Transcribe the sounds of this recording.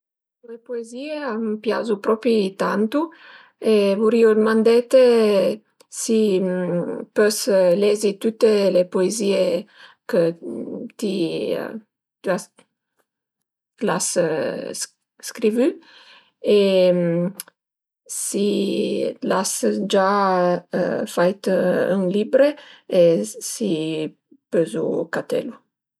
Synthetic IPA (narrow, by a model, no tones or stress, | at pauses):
uepoezieampja̰zupɾɔpɾit̪ant̪u | evuɾiod̪əmãnd̪ɛt̪e | si | pøslɛzit̪ut̪ːelepoeziekət̪ḭ | t̪yas | las | skɾivy | e | si | lasd͡ʒa̰ | fajt̪y̰ŋlibɾeesi | pøzukat̪ɛ̰lu